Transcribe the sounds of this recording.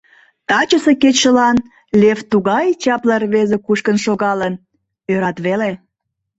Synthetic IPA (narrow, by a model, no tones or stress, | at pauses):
t̪ɑt͡ɕəseket͡ɕʃəlɑn | lʲeft̪uɣɑjt͡ɕɑplərβezekuʃkənʃoɣɑlən | øɾɑt̪βele